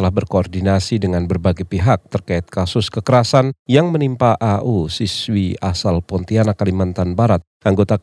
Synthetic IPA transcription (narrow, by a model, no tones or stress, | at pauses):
t̪əlahbərkoɔrdinasidəŋanbərbaɡajpiɦak̚t̪ərkaɪt̪̚kasʊskəkəɾasanjaŋmənimpaʔaʔusiswiasalpɔnt̪ianakalimant̪anbaɾat̪̚ʔaŋɡot̪a